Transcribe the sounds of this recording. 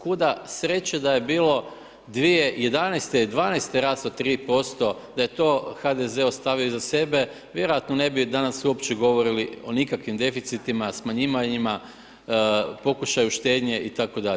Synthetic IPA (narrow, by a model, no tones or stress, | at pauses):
kud̪asɾe̞t͡ɕed̪aje̞biːlo̞ | d̪ʋijeje̞d̪anejst̪elid̪ʋaːnejst̪eɾaːst̪ot̪ːɾiːpo̞st̪o̞d̪aje̞t̪o̞ːxad̪eze̞ost̪aʋioizase̞be̞ | ʋje̞ɾojat̪none̞bid̪anasuopt͡ɕe̞ɡo̞ʋo̞ɾilio̞nikakʋimd̪e̞fit̪sit̪imasmaɲiʋaɲima | po̞kuʃajuʃt̪e̞ːd̪ɲe̞ʔit̪ako̞d̪aʎ